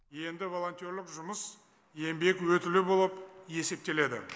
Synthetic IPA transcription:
je̞nd̪ɪvo̞lˠo̞nt̪ijo̞ɾlɪkʒʊməs | e̞mbe̞kwɵt̪ɪlɪbo̞lˠəpe̞se̞p̚t̪e̞le̞d̪ɪ̰

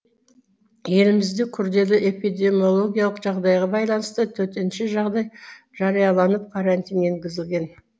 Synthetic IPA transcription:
je̞lɪmɪzd̪ekʲʰʏɾd̪e̞lɪʔe̞pijd̪e̞mio̞lˠo̞ɡʲijɑlˠəqʒɑʁd̪ɑjʁɑbɑjlˠɑnəst̪ət̪ʰɵɾt̪enʃɪʒɑʁd̪ɑj | ʒ̥ɑɾijɑlˠɑnəp̚qʰɑɾɑnt̪ijne̞ŋɡʲɪzɪlɡʲe̞n

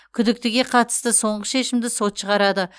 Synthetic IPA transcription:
kʲʰʏd̪ɪk̚t̪ɪɡʲe̞qʰɑt̪ə̥st̪əso̞ɴʁəʃe̞ʃɪmd̪ɪso̞t̪ʃəʁɑɾɑd̪ə

